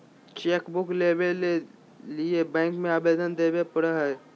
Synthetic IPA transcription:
t͡ʃeːkbʊkleːbee | liebɛ̃ːŋkmẽaːbeːd̪ənd̪eːbepəɽaɦɛː

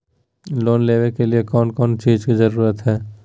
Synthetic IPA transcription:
loːnlebekeliekɔːnkɔːnt͡ʃiːd͡ʒkid͡ʒəɾuːɾət̪ɦɛː

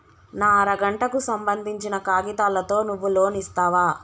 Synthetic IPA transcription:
naːɾɐɡɐɳʈɐkusɐmbɐnd̪ʱiɲt͡ʃinɐkaːɡit̪aːlɐt̪o̞ːnuʋːulo̞ːnist̪aːʋaː

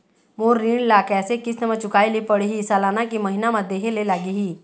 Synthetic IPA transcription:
moːiːɳlaːkɛːsekɪsnɐmãt͡ʃʊkaːelipəɽiɦisaːlaːnakiməɦɪnamãd̪eːɦelelaːɡiɦiː

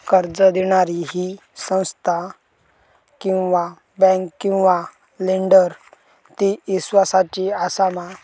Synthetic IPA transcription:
kəɾd͡zəd̪iɽ̃aɾiɦi | sə̃w̃st̪ʰa | kĩw̃ʋa | bɛ̃ŋkkːĩw̃ʋa | liɳɖəɾ | t̪iʋisʋasat͡ɕiasama

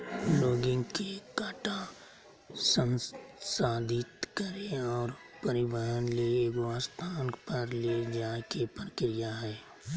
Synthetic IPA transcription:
loːɡɪ̃ŋɡkekaːʈa | sə̃nsaːd̪ʱɪt̪kəɾeɔːɾ | pəɾɪbəɦənleːɡaːst̪ʰaːnpəɾled͡ʒaːkepəɾəkɾijaɦɛː

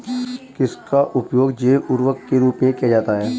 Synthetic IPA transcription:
kɪskaʔʊpjoːɡd͡ʒeːʔʊɾwəkkeɾuːpmẽkiad͡ʒaːt̪aɦɛː

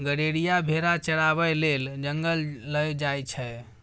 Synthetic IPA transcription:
ɡəɽeɽijabʱeɾat͡ʃəɽabɛjleld͡ʒəŋɡəlləjd͡ʒajt͡ʃʰɛ

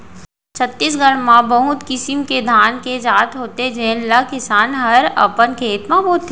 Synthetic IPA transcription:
t͡ʃʰət̪ːis̬ɡəɽmãbɐɦʊt̪kɪsɪmked̪ʱaːnked͡ʒaːt̪ɦoːt̪ed͡ʒeːnlɐkɪsaːnɦɐɾɐ̰pənkʰeːt̪mãboːt̪ː

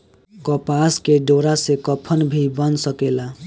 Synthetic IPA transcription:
kɔpaskeɖoɾasekʌpʰʌnbʱibʌnsʌkela

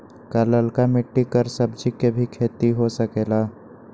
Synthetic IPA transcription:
kaːləlkamɪʈːikəɾsəbd͡ʒikebʱikʰeːt̪iɦosəkeːlaː

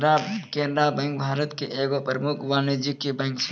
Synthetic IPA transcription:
ɾakeːnɾabɛ̃ːŋk̚bʱaːɾət̪keʔeːɡopəɾəmʊkʰʋaːned͡ʒikebɛ̃ːŋks

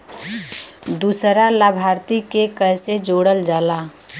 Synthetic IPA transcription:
d̪uːsɾalabʱaːɾt̪ikekəjsed͡ʒoːɽəld͡ʒaːla

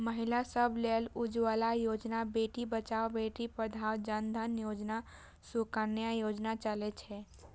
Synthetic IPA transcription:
məɦilasəbʱlelud͡ʒwalajod͡ʒnabeʈibət͡ʃaobeʈipəd̪ʱawd͡ʒənd̪ʱənjoːd͡ʒna | sukənjajod͡ʒnat͡ʃalet͡ʃʰɛ

